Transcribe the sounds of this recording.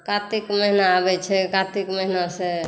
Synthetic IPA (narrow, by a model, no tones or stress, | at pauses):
kat̪ikməɦinaːbɛt͡ʃʰɛkat̪ikməɦinase